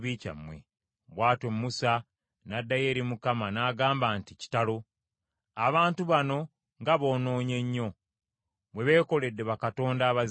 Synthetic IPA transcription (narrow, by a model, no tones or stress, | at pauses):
βica̰mːwḛ | βwaːtomːusa | nadːajeːɾimukamanaːɡaːmbaːntici̥talo̞ | aβaːntuβano̞ | ŋɡaβo̞ːno̞ːɲe̞ɲːo̞ | βwe̞βe̞ːko̞le̞dːe̞βakato̞ːndaːβaz